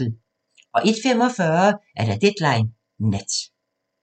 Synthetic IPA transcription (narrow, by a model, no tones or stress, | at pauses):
ð̩ˠ | ɒ̽ʔed̥fem̰ɒ̽fɶːɐʔæɐɾ̥æd̥ed̥lɑ̈ɪnː | ed̥